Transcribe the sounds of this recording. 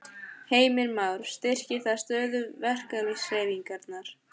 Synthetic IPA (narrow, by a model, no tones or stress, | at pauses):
heːjmɪɾmawɾ̥st̪ɪr̥cɪθað̥st̪œːðʏvɛr̥kalʏseːjviŋkaɾt̪naɾ̥